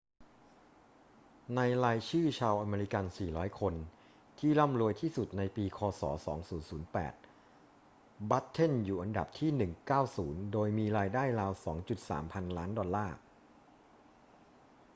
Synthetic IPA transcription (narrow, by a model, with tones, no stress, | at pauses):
na˧jɾaː˧jt͡ɕʰɯː˥˩t͡ɕʰaː˧wʔa˧meː˧ɾi˦˥ka˧nsiː˨˩ɾɔː˦˥jkʰo˧n | t̪ʰiː˥˩la˥˩mɾu˧əjt̪ʰiː˥˩su˨˩t̪̚na˧jpiː˧kʰɔː˧sɔ̰ː˩˦sɔː˩˦ŋsuː˩˦nsuː˩˦npɛ̰ː˨˩t̪̚ | ba˦˥t̪ʰːe˥˩njuː˨˩ʔa˧nda̰˨˩p̚t̪ʰiː˥˩nɯ˨˩ŋkaː˥˩wsuː˩˦ndoː˧jmiː˧ɾaː˧jdaː˥˩jɾaː˧wsɔ̰ː˩˦ŋt͡ɕu˨˩t̪̚sa̰ː˩˦mpʰa˧nlaː˦˥ndɔ˧lːaː˥˩